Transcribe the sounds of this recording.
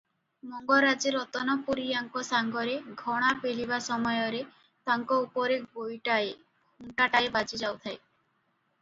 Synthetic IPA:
mɔŋɡɔɾad͡ʒeɾɔt̪ɔnɔpuɾiaŋkɔsaŋɡɔɾeɡʱɔɽ̃apelibasɔmɔjɔɾe | t̪aŋkɔupɔɾebojʈae | uɳʈaʈaebad͡ʒid͡ʒawt̪ʰaj

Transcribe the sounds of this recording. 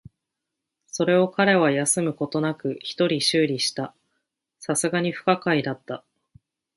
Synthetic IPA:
so̞ɾe̞o̞kaɾe̞β̞ajasɨmɯ̟ko̞t̪o̞nakɯ̟çi̥t̪o̞ɾʲiɕɨːɾʲiɕi̥t̪a | sasɨɡaɲ̟iɸɯ̟̥kakaid̪at̪ːa

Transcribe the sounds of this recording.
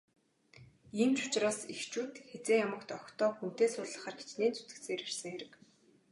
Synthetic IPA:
iːmt͡ɕʊ̥t͡ɕraːsixt͡ɕuːt̪xet͡seːŋjamə̆kt̪ɔxt̪ɔːxun̥t̪eːsʊːɮə̆χə̆ːrɡe̥t͡ɕneːnt͡su̥t̪ɘ̆k̪seːɾersə̆ŋxeɾɘ̆k

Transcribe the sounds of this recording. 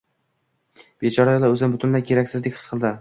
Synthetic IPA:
b̥et͡ʃʰɒɾajɒlˠaɵzɪnbʊt̪ʰʊnlajkʲʰe̞ɾakʲsɪzlɪkʲχɨsqʰɨlˠd̪ɪ

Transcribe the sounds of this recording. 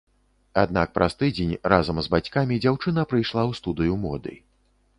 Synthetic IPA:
ad̪nak̚pɾʔast̪ɨd͡zʲenʲrazɐmzbat͡sʲkamʲid͡zʲawt͡ʂɨnɐpɾɨjʂlˠawst̪ud̪ɨjumɔd̪ɨ̰

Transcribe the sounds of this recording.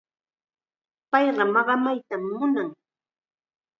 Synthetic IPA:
pɑjɢɑmɑɢɑmajt̪amːʊnaŋ

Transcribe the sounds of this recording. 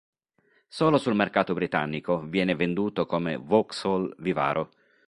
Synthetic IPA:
soːlosulmerkaːt̪obɾit̪a̰nːikovjɛːnɪvend̪uːt̪okomḛvɔksɔlviva̰ːɾʔo

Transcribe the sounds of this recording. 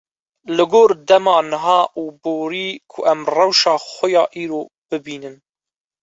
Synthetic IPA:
lɨɡoːɾd̪ɛmɑːnɨɦɑːʔuːboːɾiːkʰʊʔɛmrɛwʃɑːxʷʊjɑːʔiːɾoː | b̥ɨbiːnɨn

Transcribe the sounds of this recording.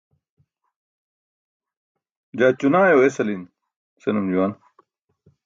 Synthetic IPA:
d͡ʑaːt͡ɕunaːjoːesɐlin | senumd͡ʑuwaːn

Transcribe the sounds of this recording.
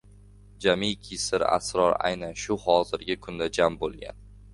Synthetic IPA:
d͡ʒamikʲʰɪsɪɾa̰sɾɒɾa̰jnanʃʊhɒzɪɾɡʲɪkʰʊnd̪ad͡ʒambolˠɡʲa̰n

